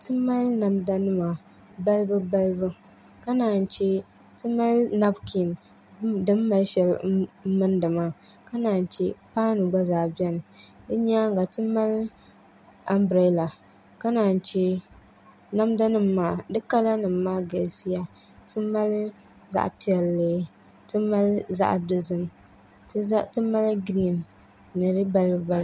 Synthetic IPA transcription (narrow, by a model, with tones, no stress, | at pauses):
tɨ˦mːa˦lna˨mda˦nɨ˦ma˨ | ba˦lbɨ˦ba˦lbɨ˦ | ka˦naː˨n˨t͡ʃɛ˦ | tɨ˦mːa˦lna˦bkʰi˨n | dɨ˦mːa˨˦lʃɛ˨˦lmɨ˦ndɨ˨ma˦ | ka˦naː˨n˨t͡ʃɛ˦paː˦nu˨ba˦zaː˨bɛ˦nɨ˨dɨ˦ɲa˦ŋ˦ɡa˨tɨ˦mːa˦l | a˦mbɾa˨˦la˨ | ka˦na˨n˨t͡ʃe˦ | na˦mda˦nɨ˨mːaː˦dɨ˦ka˦la˦nɨ˨mːaː˦ɡa˨lsi˦ja˨ | tɨ˦ma˦l | za̰˦ʔpi˦ɛ˨lːeː˦ | tɨ˦ma˦lza̰˦ʔdo˦zɨ˦m˦ | tɨ˦mː˦a˦lɡɾi˦n | nɨ˨ɾɨ˦ba˦lba˦l